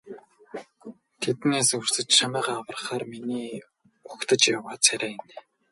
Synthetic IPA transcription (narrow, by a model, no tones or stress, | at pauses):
t̪ʰet̪neːsɵr̥sɘ̆t͡ɕʃamæːʁaːawə̆rχaːrminiː | ʊkt̪ə̆t͡ɕjawaːt͡sʰæɾʲæːɪn